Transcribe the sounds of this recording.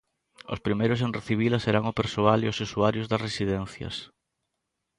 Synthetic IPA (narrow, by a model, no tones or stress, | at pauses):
ʊ̰spɾimejɾʊs̬ẽnreθiβ̞ilɐseɾaŋʊpeɾsoaliʊsesuaɾjʊzðɐsresiðɛn̟θjɐ̰s